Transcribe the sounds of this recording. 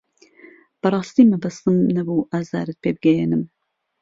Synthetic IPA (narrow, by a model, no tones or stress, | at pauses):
b̥ɐrˤɑːst̪iːmɐbɐst̪ɨmnɐbuːʔaːza̰ːɾɨt̪̚pʰeːbɨɡɛjeːnɨm